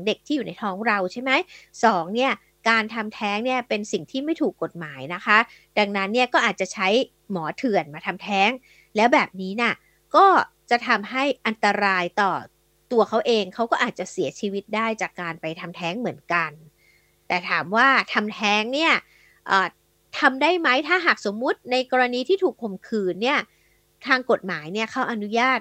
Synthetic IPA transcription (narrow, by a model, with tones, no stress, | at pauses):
ŋde˨˩k̚t̪ʰiː˥˩juː˨˩na˧jt̪ʰɔː˦˥ŋɾa˧wt͡ɕʰa˥˩jma˦˥jsɔː˩˦ŋni˥˩ɐ | kaː˧nt̪ʰa˧mt̪ʰɛː˦˥ŋni˥˩ɐpe˧nsi˨˩ŋt̪ʰiː˥˩ma˥˩jt̪ʰuː˨˩kːo˨˩t̪̚maː˩˦jna˦˥kʰa˦˥ | da˧ŋna˦˥nːi˥˩ɐkɔː˥˩ʔaː˨˩t̪̚t͡ɕa˨˩t͡ɕʰa˦˥j | mɔː˩˦t̪ʰɯ˨˩ənmaː˧t̪ʰa˧mt̪ʰɛː˦˥ŋ | lɛː˦˥wbɛː˨˩p̚niː˦˥ni˥˩ | kɔː˥˩t͡ɕa˨˩t̪ʰa˧mɦa˥˩jʔa˧nt̪a˧ɾaː˧jt̪ɔː˨˩ | t̪u˧ɐkʰa˦˥wʔeː˧ŋkʰa˦˥wkɔː˥˩ʔaː˨˩t̪̚t͡ɕa˨˩si˩˦ɐt͡ɕʰiː˧wi˦˥t̪̚daː˥˩jt͡ɕaː˨˩kːaː˧npa˧jt̪ʰa˧mt̪ʰɛː˦˥ŋmɯ˩˦ənka˧n | t̪ɛː˨˩t̪ʰaː˩˦mwaː˥˩t̪ʰa˧mt̪ʰɛː˦˥ŋni˥˩ɐ | ʔəː˨˩ | t̪ʰa˧mdaː˥˩jma˦˥jt̪ʰaː˥˩ɦaː˨˩k̚so˩˦mːu˦˥t̪̚na˧jkɔː˧ɾa˧niː˧t̪ʰiː˥˩t̪ʰuː˨˩k̚ʰːo˨˩mkʰɯː˧nːi˥˩ɐ | t̪ʰaː˧ŋko˨˩t̪̚maː˩˦jni˥˩ɐkʰa˦˥wʔa˧nu˦˥jaː˥˩t̪̚